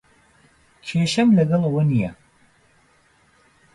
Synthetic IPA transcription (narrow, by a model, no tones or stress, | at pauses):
kʰeːʃɐmlɐɡɐlˠɐwɐnijɐ